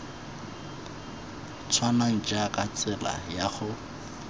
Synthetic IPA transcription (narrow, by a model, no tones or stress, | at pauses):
t͡sʰwanaŋ̩t͡ʃʼakʼat͡sʼɪla̰jaχʊ